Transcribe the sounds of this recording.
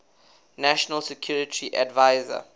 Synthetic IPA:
næʃɔnəlsɛkʰjuːɹɪtʰiʔa̰dvaɪzə̰

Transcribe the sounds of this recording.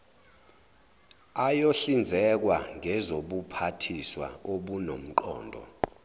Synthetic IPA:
ajoɬind͡zʱɛk̬waŋʱɛzoɓupʰatʰiswa̰oɓunom̩ǃɔ̰ːndʱɔ̰

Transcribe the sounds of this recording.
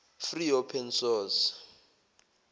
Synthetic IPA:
friɔpʰɛnsɔːs

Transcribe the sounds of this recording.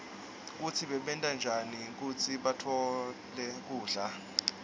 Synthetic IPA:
k̬utʰiɓɛɓɛntʼand͡ʒʱanik̬ut͡sʰiɓatʰɔ | lɛk̬uːɮa

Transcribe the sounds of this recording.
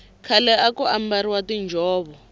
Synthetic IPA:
kʰalɛakuambaɾiwatind͡ʒʱɔːβɔ

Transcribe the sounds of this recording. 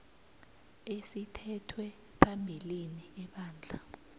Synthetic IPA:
esitʰɛtʰwɛ | pʰambʱiliniɛɓaːnd͡ɮʱa

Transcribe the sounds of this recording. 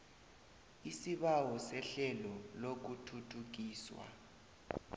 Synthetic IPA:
isiɓawɔsɛɬɛlɔlok̬utʰutʰuk̬iːswa̰

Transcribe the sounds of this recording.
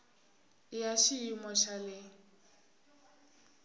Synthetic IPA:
jaʃiimɔʃalɪ

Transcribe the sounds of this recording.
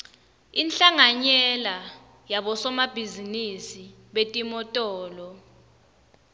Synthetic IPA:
inɬaŋaɲɛla | jaɓɔsɔmab̥ʱizinisi | ɓetʼimɔtʼɔːlɔ

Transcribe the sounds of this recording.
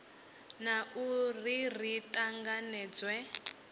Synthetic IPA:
naurir̤itʼaŋɡanɛːd͡zwɛ

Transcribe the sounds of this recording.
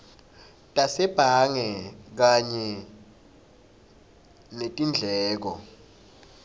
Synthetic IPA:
tʼasɛb̥ʱaŋɛk̬aɲɛ | netʼind͡ɮʱɛːk̬ɔ̰

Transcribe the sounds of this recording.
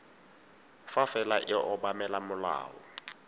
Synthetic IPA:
fafɛlaʔɪʔɔɓamɛlamʊla̰ːwɔ̰

